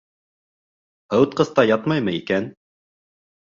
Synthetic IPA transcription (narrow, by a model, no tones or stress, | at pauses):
hɤ̆wt̪̚qɤ̆θt̪ɑjɑt̪mɑjmɤikæn